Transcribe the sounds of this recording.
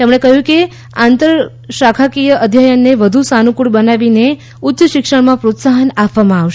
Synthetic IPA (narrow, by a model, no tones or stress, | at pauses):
t̪emɽ̃ekəɦjũke | ãnt̪əɾ | ʃakʰakijəʔəd̪ʱjajənːeʋəd̪ʱusanũkuɽbənaʋine | ʊt̪jəʃɪkʂəɳmãpɾot̪saɦənapʋamãaʋʃ